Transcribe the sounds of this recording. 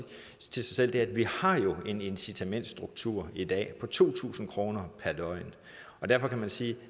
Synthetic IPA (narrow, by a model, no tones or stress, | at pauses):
t͡sʰesɑ̈ɪsel̰d̥eædʋihɑ̈jo̝e̝ne̝nsit͡sʰæmen̰d̥sd̥ʁuɡ̥̚t͡sʰuɐ̰id̥ɛ̰ːpʰɒ̽t͡sʰo̝̰ːt͡sʰṵːsn̩kʰʁo̝ːnɐpʰæɐd̥ɒ̽ɪn | ɒ̽d̥æɐfɒ̽kʰæmænsiː